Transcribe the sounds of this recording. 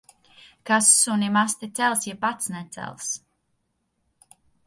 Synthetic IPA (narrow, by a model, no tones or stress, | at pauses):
kasːunʲimast̪it̪sɛlˠsjɛpat̪snɛt̪sɛ̰lˠs